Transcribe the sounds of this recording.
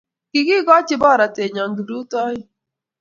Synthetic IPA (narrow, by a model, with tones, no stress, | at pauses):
ki˨ɡi˦ɡɔ˦t͡ʃɪ˦ba˦˨ɾa˨te˨ɲa˨ŋ̩˨ɡi˨du˦tɔ˦jɪ˦